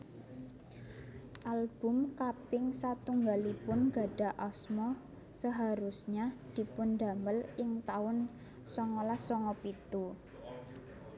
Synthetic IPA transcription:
ʔalb̥ʊ̤mkapɪŋsat̪uŋɡalipʊnɡa̤ɖ̥a̤ʔɔsmɔ | səɦaɾusɲad̪̥i̤pʊnd̪a̤məlɪŋt̪aʊn | sɔŋɔlasɔŋɔpit̪u

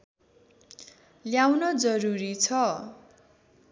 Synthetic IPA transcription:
ljawnʌd͡zʌɾuɾit͡sʰʌ

